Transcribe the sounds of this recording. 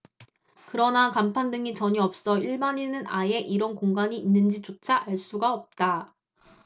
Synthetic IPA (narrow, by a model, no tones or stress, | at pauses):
kɯɾʌnakampʰandɯŋit͡ɕʌɲiʌp̚s͈ʌiɭmaɲinɯnae̞ʔiɾʌnkoŋɡaɲiːnːɯnd͡ʑit͡ɕot͡ɕʰaʔaɭs͈uɡaʌp̚t͈a